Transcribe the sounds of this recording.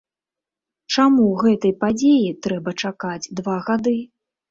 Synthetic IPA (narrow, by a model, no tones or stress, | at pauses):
t͡ʂamuɣɛt̪ɐjpad͡zʲejit̪ɾɛbɐt͡ʂakad͡zʲd̪vaɣad̪ɨ